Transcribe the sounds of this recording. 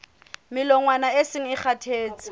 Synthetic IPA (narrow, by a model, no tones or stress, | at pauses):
mɪlɔŋwanaesɪŋ̩ɪχʰatʰeːt͡sɪ̥